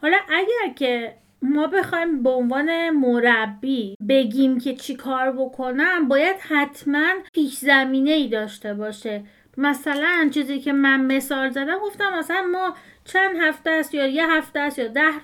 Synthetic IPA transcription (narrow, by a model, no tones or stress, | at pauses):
hɒlɒʔæɟæɾcʰe̞ | mɒːbe̞xɒːjmbeonvɒːne̞moɾæbːiːbe̞ɟʲiːmcʰe̞t͡ʃʰikʰɒːɾbo̞kʰo̞næmbɒːjæd̪̥hæt̪ʰmænpʰiːkzæmiːne̞iːd̪ɒːʃt̪e̞bɒːʃe | mæsælænt͡ʃʰiːziːcʰe̞mænme̞sɒːlzæd̪æmɡoft̪æmːæsælænmɒːt͡ʃʰænd̪ɦæft̪æsjɒːjeɦæft̪eæsjɒːd̪æh